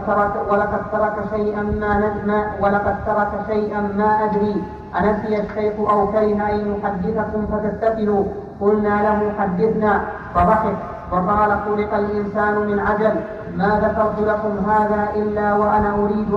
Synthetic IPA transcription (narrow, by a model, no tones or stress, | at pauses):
walɑqɑd̪̚t̪ɑɾˤɑkaʃajʔaaawalɑqɑd̪sɑɾˤɑkaʃajʔanmaːʔad̪ɾiː | ʔanasɪjaʃːajxʊʔawkaɾɪɦʔajmʊħad̪ːɪθakʊmfat̪ast̪ːafɪhuː | kʊlnaːlaɦʊħad̪ːɪθnaː | fɑðˤɑħɪf̚ | fɑqɑːlat̪ʊlɪqalʔɪnsaːnʊmɪnʕad͡ʒal | maːðaːfɑɾˤd̪ʊlakʊmɦaːðaːʔɪlːaːwaʔanaːʔʊɾiːd̪